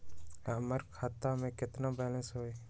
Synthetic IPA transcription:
əməɾkʰaːt̪amẽkɪt̪nabɛːlə̃nsɦoːe

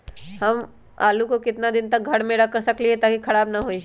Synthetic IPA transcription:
ɦɐm | a̰ːlukokɪt̪nad̪ɪnt̪ɐk̚ɡʱɐɽmẽɾɐk̚kɐɾsɐkliɦɛt̪aːkixʰɐɽaːbnaɦoi

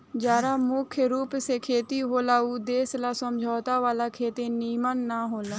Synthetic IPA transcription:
d͡ʒaːɾaːmʊkʰjəɾuːpseːkʰeːt̪iɦoːlaːud̪eːslaːsəmd͡ʒʱaːt̪aːʋaːlaːkʰeːt̪ẽːniːmənːaːɦoːlaː

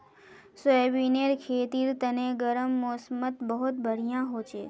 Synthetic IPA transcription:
sebineɾkʰeːt̪iɾt̪əneɡəɾəmːosmət̪bəɦut̪̚bʱəɽ̤ijãɦot͡ʃʰe

